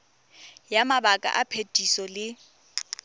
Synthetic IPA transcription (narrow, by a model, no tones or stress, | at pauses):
jamabakʼa̰ʔapʰetʼisɔlɪ